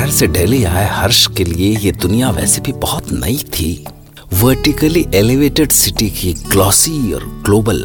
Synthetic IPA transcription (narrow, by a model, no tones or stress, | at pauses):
ɛɦɾseɖeːliaːehɐɾʃkeliejed̪ʊnijaʋɛ̰ːsebʱibɐɦʊt̪nɐ̰it̪ʰḭː | ʋəɾʈikəliʔeliʋeːʈeɖsɪʈikiɡlɔːsiɔ̰ːɾɡloːbəl